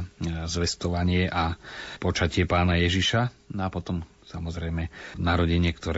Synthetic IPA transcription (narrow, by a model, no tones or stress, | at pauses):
zʋɛst̪ɔʋaɲɪɛʔapɔt͡ʃacɪɛpaːnajɛʒiʃanapɔt̪ɔm | samɔzɾɛjmɛnaɾɔɟɛɲɪɛkt̪ɔɾ